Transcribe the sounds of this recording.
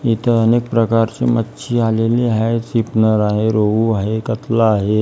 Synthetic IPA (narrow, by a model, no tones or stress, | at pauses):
it̪əənek̚pɾəkaɾt͡ɕemətːʃʰialeleɦasipnəɾaɦeɾoʋuaɦekət̪laːɦe